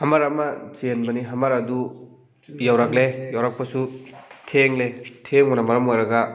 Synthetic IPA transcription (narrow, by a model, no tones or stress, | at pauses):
hamaɾamat͡ʃenbɐniɦamaɾadu | jawɾak̚lejawɾak̚pɐsutʰeŋletʰeŋonamɐɾɐmojɾɐɡa